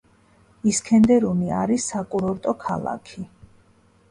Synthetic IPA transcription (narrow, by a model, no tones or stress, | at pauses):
iskʰɛnd̪ɛɾunia̰ɾisːakʼuɾɔɾt̪ʼɔkʰa̰lˠa̰kʰi